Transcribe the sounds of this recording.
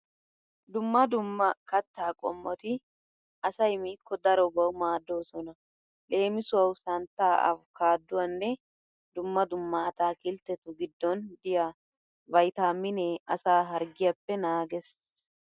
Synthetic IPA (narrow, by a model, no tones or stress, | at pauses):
d̪ʊmːɐd̪ʊmːɐkɐt̪ːaːkʼɔ̰mːɔt̪ɪ | ʔɐsɐjmiːkːɔd̪ɐɾɔbɐwmaːd̪ːoːsɔnɐ | le̞ːmɪsʊwɐwsɐnt̪ːaːʔɐ̰fkʰaːd̪ːʊwɐnːɛ | d̪ʊmːɐd̪ʊmːɐɐt̪aːkɪlt̪ːɛt̪ʊɡɪd̪ːɔnd̪ɪja | vɐjt̪aːmːɪneɐsaːɦɐɾɡɪjɐpːɛnaːɡɛs